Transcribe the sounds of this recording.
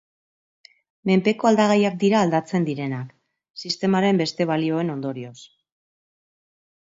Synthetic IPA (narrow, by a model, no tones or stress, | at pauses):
me̞mpe̞ko̞ald̪aɣajak̚d̪iɾaːld̪at͡se̞nd̪iɾe̞nak | sist̪e̞maɾe̞mbe̞st̪e̞β̞alio̞e̞no̞nd̪o̞ɾio̞s